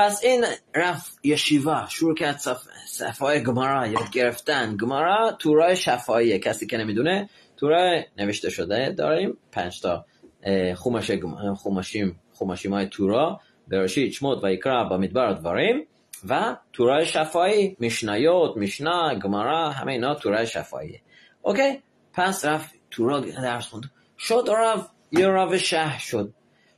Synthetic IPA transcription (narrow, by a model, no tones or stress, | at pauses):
pʰæsinɾæfjeʃivɒʃuɾuːkʰæɾd̪ssæ̰fɒːjeɡomɒɾɑjɒd̪ɡeɾeft̪ænɡomɒɾɑt̪ʰuɾɑːeʃæfɒːiecʰæsiːkʰenemiːd̪une | t̪ʰuɾɒːjeneveʃt̪eʃod̪ed̪ɒ̰ːɾimpʰæ̰nd͡ʒt̪ʰɒ | xumɑʃeɡxumʃimxumɑʃimɒːjet̪ʰuɾɑ | beɾɑʃit͡ʃʰmod̪væikʰɾɑbɔmid̪bɒːɾd̪bɒɾim | væt̪ʰuɾɑːjeʃæfɒːimiʃnɒːjot̪miʃnɒɡomɒɾɑɦæ̰meiːnhɒːt̪ʰuɾɑːjeʃæ̰fɒ̰ḭe | ʔokʰej | pʰæsɾæft̪ | t̪ʰuɾɒːd̪æɾsxund̪ | ʃod̪ɾɑv | jeɾɒːveʃæhʃod̪̚